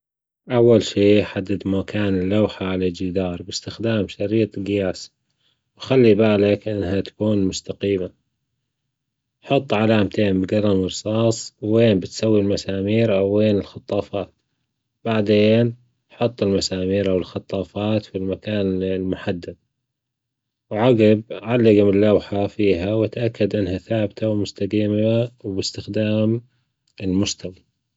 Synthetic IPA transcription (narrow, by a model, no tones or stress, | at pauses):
ʔawːalʃiːħad̪ːad̪makaːnɪlːawħaʕalad͡ʒid̪ɑːɾˤbɪst̪ɪxd̪aːmʃaɾiːt̪ˤɡɪjaːs | wxalːibaːlakʔɪnːɦat̪ḁkuːnmʊst̪aqiːma | ħʊt̪ˤːʕalaːmt̪ʰeːmbɪɡɑɾˤɑmɾsˤɑːsˤwːeːnbɪt̪sawːilmasaːmiːɾʔawːeːnɪlxɑt̪ˤːɑːfɑːt̪ | b̥aʕd̪eːn | ħʊt̪ˤːɪlmasaːmiːɾʔawɪlxɑt̪ˤːɑːfɑːt̪filmakaːnlmʊħad̪ːad̪̚ | wʕaɡɪb̚ʕalːaɡamɪlːawħafiːɦawɪt̪ʔakːad̪ʔɪnhaθaːbt̪ʰawmʊst̪ad̪iːmawbɪst̪ɪxd̪aːm | ɪlmʊst̪awa